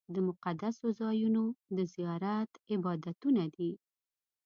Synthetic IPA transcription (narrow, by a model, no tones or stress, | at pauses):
d̪əmʊqad̪asozɑjunod̪əzijɑɾat̪ɪbɑd̪at̪unad̪i